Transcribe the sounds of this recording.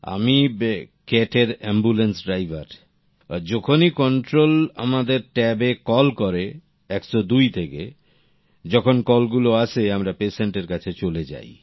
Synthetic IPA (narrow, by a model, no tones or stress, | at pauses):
a̰mi | keʈeɾɛmbulensɖɾajbʱaɾ | d͡ʑɔkʰonikɔɳʈɾola̰mad̪eɾʈɛbekɔlkɔɾe | ɛksɔd̪ujt̪ʰeke | d͡ʑɔkʰonkɔlɡuloaʃʰeamɾapeseɳʈeɾkat͡ɕʰet͡ɕoled͡ʑa̰j